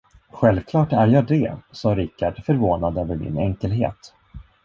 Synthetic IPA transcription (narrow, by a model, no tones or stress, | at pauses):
ɧɛlvkʰlɑːʈæɾjɑːd̪ɛ̰sɑːɾɪkaɖfœɾvoːnad̪øːvəɾmɪ̰nɛŋkəlɦḛːt̪